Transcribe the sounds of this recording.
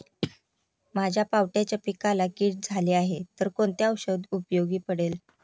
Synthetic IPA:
mad͡ʑʱjapawʈjat͡ɕjapikalakiːʈ̚d͡zʱaliːaɦet̪əɾkoɳt̪aəwɕəd̪upjoɡiːpəɽel

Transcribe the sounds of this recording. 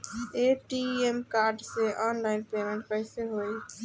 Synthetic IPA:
eʈiemkaɾɖsẽʔɔnlainpemẽɳʈ̚pəɪseɦoj

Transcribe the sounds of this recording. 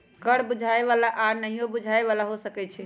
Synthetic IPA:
kəɽbud͡ʒʱaeβalaʔaɾnəɦijobud͡ʒʱaeβalaɦosəkɛt͡ʃʰɛ

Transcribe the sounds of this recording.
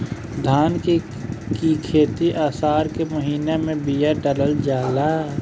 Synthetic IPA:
d̪ʱaːnke | kikʰeːt̪iʔaːsaːɾkemɐɦiːnemẽbijaɖələld͡ʒaːlaː

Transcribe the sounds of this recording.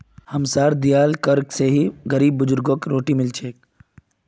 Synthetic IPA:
hɐmsaːɾd̪ijaːlkəɾkseɦiɡəɾiːbːʊd͡ʒʊɾɡoːkɾoːʈimɪlt͡ʃʰeːk

